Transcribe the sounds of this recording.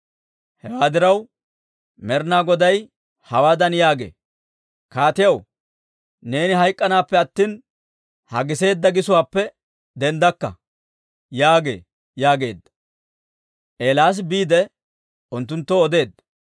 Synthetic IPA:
hɛwaːd̪ɪɾɐw | mɛɾnaːɡɔd̪ɐj | hɐwaːd̪ɐnjaːɡe̞̰ː | kaːt̪ɪjɐw | ne̞ːnɪɦɐjkʼːɐnaːpːɛɐt̪ːiːn | hɐɡɪse̞ːd̪ːɐɡɪsʊwaːpːɛ | d̪ɛnd̪ɐkːɐ | jaːɡe̞̰ː | jaːɡe̞̰ːd̪ːɐ̥ | ʔe̞ːlaːs̬biːd̪ɛ | ʊnt̪ːʊnt̪ːɔːd̪e̞ːd̪ːɐ

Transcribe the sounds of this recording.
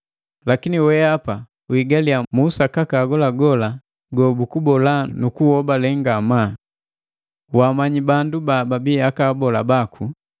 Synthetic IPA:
lakiniwɛapa | uiɡaliamusakakaɡɔlaɡɔla | ɡɔbukubɔlanukuhɔbalɛŋɡama | wamaɲibandubababiakaːbɔlabakʰu

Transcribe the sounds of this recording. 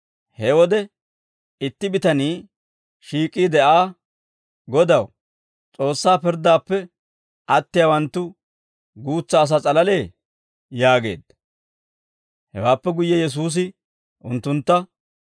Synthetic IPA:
hɛwɔd̪ɛ | ɪt̪ːɪbɪt̪ɐniː | ʃiːkʼːiːd̪ɛʔaː | ɡɔd̪ɐw | t͡sʼo̞ːsːaːpɪɾd̪aːpːɛ | ʔɐt̪ːɪjawɐnt̪ːʊ | ɡuːt͡sːɐːs̬at͡sʼɐlɐle̞ː | jaːɡe̞̰ːd̪̥ɐ | hɛ̰waːpːɛɡʊjːɛjɛs̬uːs̬ɪ | ʔʊnt̪ːʊnt̪ːɐ

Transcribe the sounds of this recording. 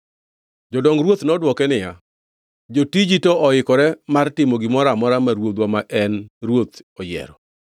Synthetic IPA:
d͡ʒɔdɔŋɾwot̪nɔdwɔkɛnɪja | d͡ʒotid͡ʒitɔɔɪkɔɾɛmartɪmɔɡɪmɔɾamɔɾamaɾwod̪wamaʔɛnrwot̪ɔjɛ̰ɾɔ

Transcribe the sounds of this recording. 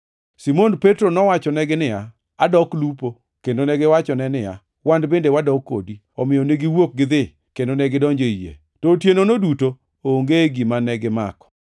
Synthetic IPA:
simonpetɾonɔwat͡ʃɔnɛɡɪnɪja | adɔklupo | kendonɛɡɪwat͡ʃɔnɛnɪja̰ | wandbendewadɔkːo̰di | ɔmɪjɔneɡiwok̚ɡɪd̪ɪ | kendonɛɡɪdɔɲd͡ʒoijḛ | totjenonoduto | ooŋɡeɡimanɛɡɪma̰kɔ̥

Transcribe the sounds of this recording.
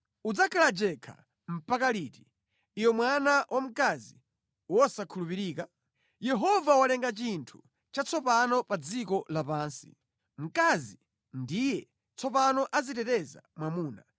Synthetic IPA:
ud͡zakʰalad͡ʒɛkʰa̰ | m̩pakaliti̥ | iwɛmwanawʔam̩kazi | wɔsakʰulupiɾiːka | jɛɦɔvawalɛŋɡat͡ʃintʰu̥ | t͡ʃat͡sʰɔpanɔpad͡zikɔlapaːnsḭ | m̩kazi | ndijɛ | t͡sʰɔpanɔʔazitɛtɛza̰mwamuːna̰

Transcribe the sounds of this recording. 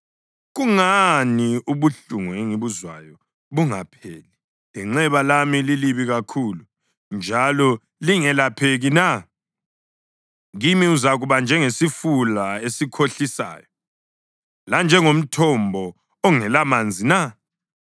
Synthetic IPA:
ɣuŋaniuβuɬuŋueŋiβuzwa̰jɔ | βuŋapʰeːli | liŋ͡ǁɛβalamililiβiɣakʰulu | nd͡ʒʱalɔ | liŋɛlapʰeɣina | ɣimiuzaɣuβand͡ʒʱɛŋesifulaesikʰoɬisa̰ːjɔ | land͡ʒʱɛŋom̩tʰɔmbʱɔ | ɔŋɛlamand͡zʱina

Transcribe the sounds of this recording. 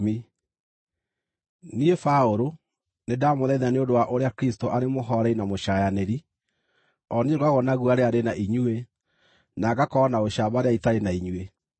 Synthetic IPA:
mi | niefaoɾo | nedamoðɛðaneondowaʔoɾeakɾistoʔaɾemoɦɔɾɛinamoʃajaneɾi | ɔnieɣaɣɔnaɣuaɾeaɾenaʔiɲue | naɡakɔnaoɕaβaɾeaitaɾenaiɲwe

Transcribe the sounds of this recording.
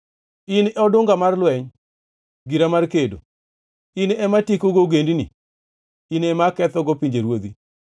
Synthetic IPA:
inɛɔdʊŋɡamarlwɛɲ | ɡiɾamarkedo̰ | inɛmatikoɡoɡendinḭ | inɛmakɛt̪ɔɡopiɲd͡ʒeɾwod̪i

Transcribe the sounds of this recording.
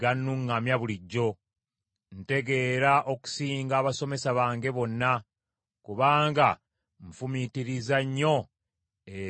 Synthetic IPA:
anːuŋːamjaβuliɟːo̞ | n̩te̞ɡe̞ɾaʔo̞ku̥siːŋɡaːβaso̞me̞saβaːŋɡe̞βo̞nːa | kuβaːŋɡa | ɱfumitiɾizaɲːo̞ | e

